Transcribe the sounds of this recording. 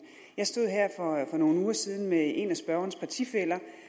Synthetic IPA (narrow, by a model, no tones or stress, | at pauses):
jɑ̈ɪsd̥o̝ð̞̰ˠɦeɐ̰fɒ̽fɒ̽no̝ːn̩uːɐsið̞ˠn̩mee̝næsb̥ɶɐɐnspʰɑ̈t͡sʰḭfel̰ɐ